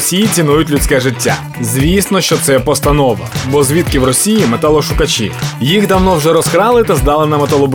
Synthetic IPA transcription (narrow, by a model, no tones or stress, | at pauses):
sʲijit͡sʲinujʊtʲlʲʊt͡ssʲkɛʒɪtʲːa̰ | zʲʋʲisnɔʃt͡ʃɔt̪sɛpɔst̪ɐnɔʋɐ̰bɔzʲʋʲit̪kɪwrɔsʲijimet̪alˠɔʃʊkɐt͡ʃḭjiɣd̪ɐwnɔwʒɛɾɔskɾɑlˠɪt̪ɐzd̪ɑlˠɪnɐmet̪ɐlˠɔb